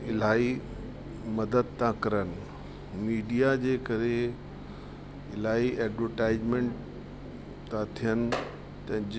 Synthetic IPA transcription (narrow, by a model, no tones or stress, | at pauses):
ɪl̤aːi | mɐd̪əd̪̚t̪ʰãkɐɾənɪ̆ | miːɖijad͡ʑeːkɐɾe | ɪlaːiʔɛːɖʋəɾʈaːɪd͡ʑmẽɳʈ | t̪ãt̪ʰijənɪ̆ | t̪ɐ̃d͡ʑ